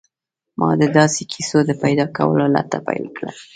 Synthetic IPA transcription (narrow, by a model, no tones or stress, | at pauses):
mʔɑd̪əd̪ɑsekʰisod̪əpajd̪ɑkawə̰lola̰t̪apajlkɽa